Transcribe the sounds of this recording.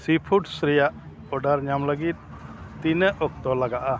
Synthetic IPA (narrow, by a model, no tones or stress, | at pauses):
sipʰuʈsɾijaʔ | ɔɖaɾɲamləɡit̪̚ː | inəʔɔk̚t̪ɔlaɡaʔa